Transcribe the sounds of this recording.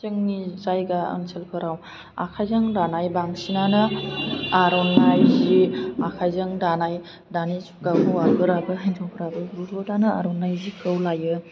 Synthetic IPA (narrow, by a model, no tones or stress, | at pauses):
zɯŋnizajɡaə̰ŋsʰelkʰɯɾaw | a̰kʰajzɐŋɾanajbaŋsinanɯ | aɾɔnːajziakʰajzɯŋɾanaj | danisuɡabuaɡɯɾabɯɦanzʰɔwkʰɯɾabɯɾuzɔdanɯa̰ɾɔnːajzikʰɯwlajɯ